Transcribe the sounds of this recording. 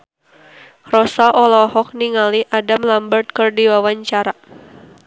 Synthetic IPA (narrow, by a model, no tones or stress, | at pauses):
rɔsaʔɔlɔhɔk̚niŋaliʔadamlambərt̪̚kərdiwawaɲt͡ʃaɾa